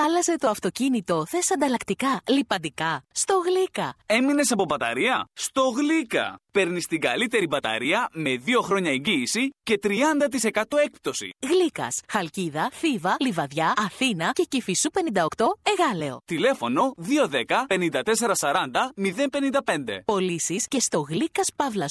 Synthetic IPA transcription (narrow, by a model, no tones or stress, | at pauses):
ɐlɐze̞t̪o̞ɐft̪o̞cinit̪o̞θe̞sɐnd̪ɐlɐkt̪ikɐlipɐnd̪ikɐst̪o̞ɣlikɐe̞mine̞sɐpo̞bɐt̪ɐ̰ɾiɐst̪o̞ɣlikɐ̰pe̞ɾnist̪iɡɐlit̪e̞ɾibɐt̪ɐ̰ɾiɐme̞ðio̞xɾo̞ɲɐeɲɟiːsice̞t̪ɾiɐnd̪ɐt̪̬ise̞kɐt̪o̞e̞k̚p̚t̪o̞sḭɣlikɐ̰sxɐlciðɐθivɐlivɐðʝɐɐθinɐce̞cifisupe̞nind̪ɐo̞kt̪o̞e̞ɣɐle̞o̞̰t̪ile̞fo̞no̞ðio̞ðe̞kɐpe̞nind̪ɐt̪e̞se̞ɾɐsɐɾɐnd̪ɐmiðe̞npe̞nind̪ɐpe̞nd̪e̞̰po̞lisisce̞st̪o̞ɣlikɐspɐvlɐs